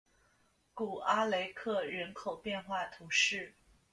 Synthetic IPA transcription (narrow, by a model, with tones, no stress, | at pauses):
ku˨˩a˥le˧˥ɪkʰɤ˥˩ɻə˧˥nkʰo˨˩ʊpjɛ˥˧nxwa˥˩t̪ʰu˧˥ʂɻ̩˥˩